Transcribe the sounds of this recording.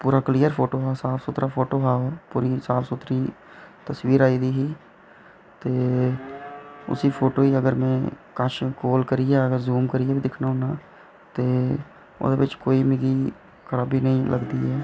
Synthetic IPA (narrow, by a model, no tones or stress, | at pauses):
puːɾaklijəɾpʰoːʈoɦaːsaːpʰsʊt̪ɾʔapʰoːʈoɦaːopuːɾisaːpʰsʊt̪ɾi | t̪əswiːɾaːid̪iɦiː | t̪eː | ʊ̰sipʰoːʈoːiəɡəɾmẽkəʃkoːlkəɾiɦeəɡəɾzuːmkəɾiebʱid̪ɪkʰnaɦʊnaː | t̪eː | ʊ̰d̪ebɪt͡ʃkoːimɪɡi | kəɾaːbʱinəɦĩlʔə̰ɡd̪iɦɛː